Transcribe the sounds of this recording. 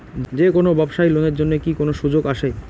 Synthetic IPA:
d͡ʑekonobɛbʃailoneɾd͡ʑonːekikonoʃud͡ʑoɡaʃe

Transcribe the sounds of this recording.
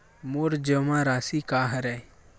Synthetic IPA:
moɾd͡ʒəmãɾaːsikaɦəɾɛ

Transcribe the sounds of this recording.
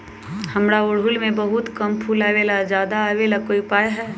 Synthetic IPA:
həmɾaʊɽɦʊlmẽbɐɦʊt̪kəmpʰuːlaːʋelazjaːd̪aːʋelakoːipajɦɛː

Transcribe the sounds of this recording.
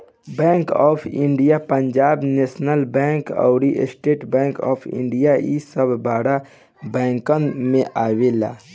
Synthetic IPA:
bɛ̃ːŋkɔːpʰɪ̃ɳɖijapəɲd͡ʒaːbneːsnəlbɛ̃ːŋkɔ̰ʊɾiʔsʈeːʈbɛ̃ːŋkɔ̰ːpʰɪ̰̃ɳɖijaisəbʱbaːɽa | bɛ̃ːŋkənmẽʔaːwela̰ː

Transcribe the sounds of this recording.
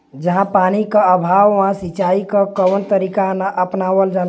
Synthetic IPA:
d͡ʒəɦãpanikəəbʱawʋãsit͡ʃaikəkəwənt̪əɾikanəʔəpnaʋəld͡ʒal

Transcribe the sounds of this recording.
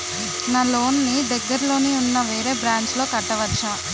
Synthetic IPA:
naːlo̞ːnnid̪ɐɡːɐɾlo̞ːniunːɐʋe̞ːɾe̞ːbɾaːɲt͡ʃlo̞ːkɐʈːɐʋɐt͡ʃːaː

